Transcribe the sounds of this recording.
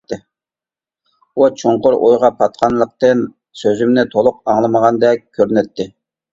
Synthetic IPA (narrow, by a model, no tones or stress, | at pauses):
ɪ | ut͡ʃʰoɴqʊɾʔo̰jʁɑpʰɑt̪̚qʰɑnlˠəq̚t̪ɨn | søzymnɪt̪ʰolˠʊqɑŋlˠəməʁɑnd̪ɛkʲkʲʰːøɾnɛt̪ʰːɪ